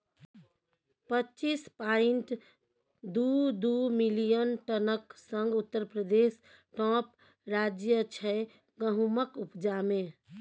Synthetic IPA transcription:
pətːt͡ʃispaiɳʈ | d̪ud̪umilijənʈənəksəŋɡut̪ːəɾpɾəd̪es | ʈɔ̃p | ɾad͡ʒjət͡ʃʰɛ | ɡəɦuməkupd͡ʒame

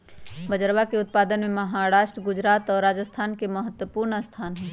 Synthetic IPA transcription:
bəd͡ʒəɾwakeʊt̪̚paːd̪ənmẽməɦaːɾaːʃʈəɡʊd͡ʒɾaːt̪ɔːɾːaːd͡ʒəst̪ʰaːnkeməɦət̪wəpuːɾnəst̪ʰaːnɦɛ̃ː

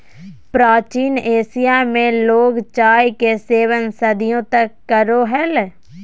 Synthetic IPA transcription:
pɾaːt͡ʃiːneːsijamẽloːɡt͡ʃaːjkeseːwənsɐd̪ʱijõt̪ɐkːəɾoɦɛl

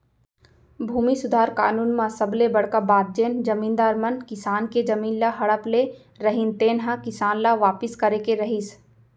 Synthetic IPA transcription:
bʱuːmisʊd̪ʱaːɾka̰ːnuːnmãsɐblebɐɽ̤kabaːt̪̚d͡ʒend͡ʒɐmiːnd̪aːɾmənkɪsaːnked͡ʒɐmiːnlaɦɐɽəple | ɾəɦint̪eːnɦãkɪsaːnlaʋaːpɪskɐɾekeɾɐɦis

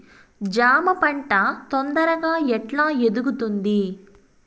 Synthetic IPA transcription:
d͡ʒaːmɐpɐɳʈɐt̪ond̪ɐɾɐɡaːɛʈlaːed̪uɡut̪und̪i

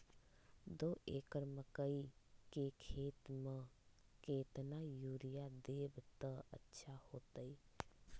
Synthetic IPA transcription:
d̪oːeːkəɾməkəikekʰeːt̪mekeːt̪najuːɾijad̪eːbt̪əə̰tːʃʰahoːt̪əi

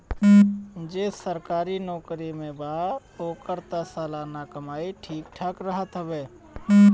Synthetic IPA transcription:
d͡ʒeːsəɾkaːɾinɔːkɾimẽbaː | oːkəɾt̪asaːlaːnakəmaːiʈʰiːk̚ʈʰəkɾəɦət̪ɦəʋeː

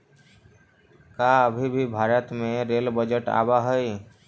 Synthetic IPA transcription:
kaəbʱibʱibʱaːɾət̪mẽɾelbəd͡ʒəʈa̰ːbaɦəj

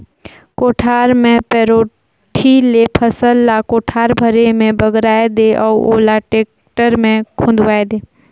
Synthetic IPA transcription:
koːʈʰaːɾmẽpɛɾoː | ʈʰilepʰəsəlːakoːʈʰaːɾbʱəɾemẽbəɡɾaːed̪eʔɔːoːlaʈeːk̚ | ʈəɾmẽkʰʊ̃nd̪ʱʋaːed̪eː

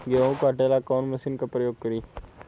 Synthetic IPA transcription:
ɡeũkaːʈelaːkɔːnməsinkapɾəjoːɡ̚kəɾiː

